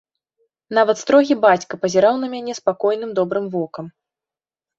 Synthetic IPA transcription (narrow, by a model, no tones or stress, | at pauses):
navɐt̪st̪ɾɔɣʲibat͡sʲkɐpɐzʲɛɾawn̪ɐmʲanʲɛspakɔjnɨmd̪ɔbɾɨmvɔkɐm